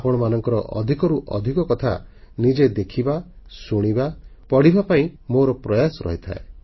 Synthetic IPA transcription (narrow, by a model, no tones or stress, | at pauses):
apɔɽ̃ɔmanɔŋkɔɾɔʔɔ̰d̪ʱikɔɾuʔɔ̰d̪ʱikɔkɔt̪ʰa̰nid͡ʒed̪ekʰiba | suɽ̃ibapɔɽ̤ibapaĩmoɾɔpɾɔjasɔɾɔ̰ɦit̪ʰa̰e